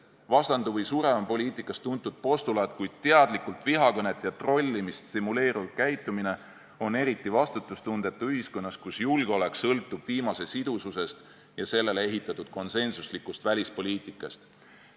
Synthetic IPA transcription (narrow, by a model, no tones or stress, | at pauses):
vɑst̪ɑnd̪uvɤjsuːɾe̞vɑmpo̞lʲiːt̪ˑikːˑɑst̪unt̪ːˑud̪̥̚po̞st̪ulɑt̪kujd̪̥̚t̪eɑd̪̥likult̪viɦɑkɤne̞t̪ːˑjɑt̪ro̞lʲːimist̪simule̞ːɾuv̥kæjt̪ːˑumine̞ | o̞ne̞ɾit̪ːˑivɑst̪ut̪ːˑust̪und̪̥e̞t̪ːˑuyɦisko̞nːɑskusjulɡ̥eo̞le̞ksɤlt̪ːˑub̥viːmɑse̞sid̪ususe̞st̪ | jɑse̞lːe̞lee̞ɦit̪ːˑɑt̪ːˑud̪̥̚ko̞nse̞nsuslikːˑust̪vælʲispo̞lʲiːt̪ˑikːˑɑst̪